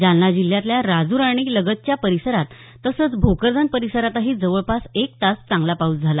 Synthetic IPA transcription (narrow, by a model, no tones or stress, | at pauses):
d͡ʑanːad͡ʑiljat̪ljaɾad͡zuɾaɽ̃iləɡət̪̚t͡ɕjapəɾisəɾat̪ː | əsət͡sbʱukəɾd͡z̪ənpəɾisəɾat̪aɦiːd͡zəʋəɭpasek̚t̪ast͡sãŋɡlapaut̪d͡zʱala